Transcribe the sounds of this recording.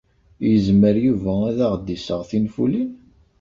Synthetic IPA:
jəzməɾjuvææðaʁd̪ːisəʁθinfṵlin

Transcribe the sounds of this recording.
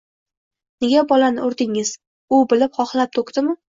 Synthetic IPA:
neɡʲabɒlanɪʊɾd̪ɪŋɪz̥ | ʊbɪlɪpχɒχlap̚t̪ʰokd̪ɪmɪ

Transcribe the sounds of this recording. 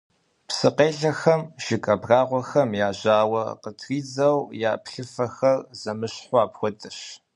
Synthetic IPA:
psɨqeːɮɐxɐmʒ̥ɪkʼɐbraːʁʷɔxɐmjaːʑaːwɐ̰qətʰriːd͡zɐwja̰ːpʰɬɨfɐxɐrz̥ɐmɨɕħʷɑaːpxʷɔtʼɨɕ

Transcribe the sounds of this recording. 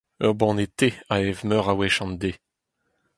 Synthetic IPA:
œʁbɔ̃net̪eaɛvmœʁawɛʃɑ̃nd̪e

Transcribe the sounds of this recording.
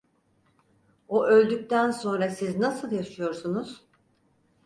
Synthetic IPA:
oʔølʲd̪yc̚ʲt̪ʰænso̞nɾasiznasɯlˠjaʃɯjo̞ɾsunuz̥

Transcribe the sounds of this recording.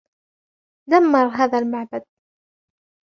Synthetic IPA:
d̪amːɑɾˤɦaːðalmaʕbad̪̚

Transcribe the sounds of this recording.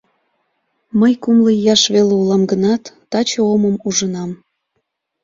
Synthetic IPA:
məjkumləjɑʃβeleulɑmɡənɑt̪ːɑt͡ɕooməmuʒənɑm

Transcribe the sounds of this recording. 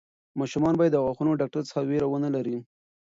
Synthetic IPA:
mɑʃumɑnbɑjed̪ːaɣwɑxunoɖɑk̚ʈaɾt͡sə̥xaweɾawənəlaɾi

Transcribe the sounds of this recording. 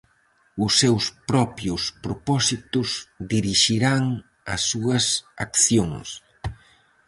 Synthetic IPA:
ʊsːewspɾɔpjʊspɾopɔsit̪ʊsd̪iɾiʃiɾaŋ | ɐ̰sːuɐsa̰kθjoŋs

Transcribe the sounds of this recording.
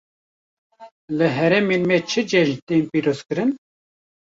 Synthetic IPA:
lɨɦɛɾɛmeːnmɛt͡ʃʰɨd͡ʒɛʒt̪eːnpiːɾoːz̥kɨɾɨn

